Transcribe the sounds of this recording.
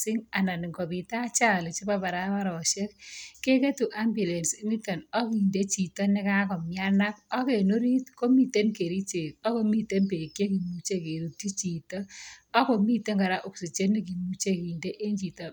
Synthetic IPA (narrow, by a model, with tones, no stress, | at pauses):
sɪ˦ŋa˨na˨ni˨ŋɡɔ˨pi˨ta˦t͡ʃa˦˨le˨t͡ʃi˦ba˦ba˨ɾa˦wa˦ɾɔ˨ʃe˦k̚ke˦ke˦tu˨ʔa˦mbjʊ˨le˨nsi˦ŋi˦ta˨nɔ˦ki˨nde˦t͡ʃi˨tɔ˦nɪ˦ka˦kɔ˨mja˦na˦kɔ˦ke˨no˦ɾi˦tko˦mi˨te˦nke˨ɾi˦t͡ʃe˨kɔ˦ko˦mi˦te˦mpe˨kje˦ki˨mu˦t͡ʃe˦ke˨ɾu˨ti˦t͡ʃi˨tɔ˦ɔ˦ko˨mi˦te˦ŋɡa˨ɾa˦ʔu˨ksi˨t͡ʃe˦ni˦k̬i˨mu˦t͡ʃe˦ki˨nde˦ʔe˦ɲt͡ʃi˨tɔ˨